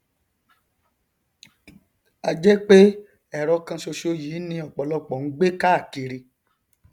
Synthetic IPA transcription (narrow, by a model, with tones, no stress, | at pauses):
a˧d͡ʒɛ˦k͡pe˦ | ɛ˨ɾɔ˧kã˧ʃo˧ʃo˧jiː˨˦nĩ˧ɔ˨k͡pɔ˨lɔ˦k͡pɔ˨n̩˦ɡ͡be˦ka˦a˦˨ki˧ɾi˧